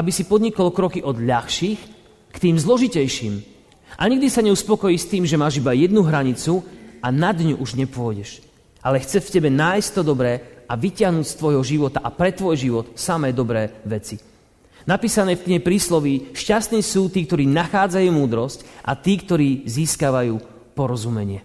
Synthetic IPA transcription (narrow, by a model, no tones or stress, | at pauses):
ʔabisipɔd̪ɲikɔlkɾɔkiʔɔd̪ʎaxʃiːx | kt̪iːmzlɔʒicɛjʃiːm | ʔa̰ɲiɡ̚d̪isaɲɛuspɔkɔjiːst̪iːmʒɛmaːʒibajɛd̪̚nuɦɾaɲit͡suanad̪ɲuʔuʒɲɛpʊɔɟɛʃ | ʔalɛxt͡sɛfcɛbɛnajst̪ɔd̪ɔbɾɛːaʋicɪaɦnuːcst̪ʋɔjɦɔʒiʋɔt̪aʔapɾɛt̪ʋɔjʒiʋɔt̪samɛːd̪ɔbɾɛːʋɛt͡si | napiːsanɛːfk̪ɲɛpɾiːslɔʋiʃcast̪niːsuːt̪iːkt̪ɔɾiːnaxaːd͡zajuːmuːd̪ɾɔscʔa̰t̪iːkt̪ɔɾiːziːskaːʋajuː | pɔɾɔzumɛɲɪɛ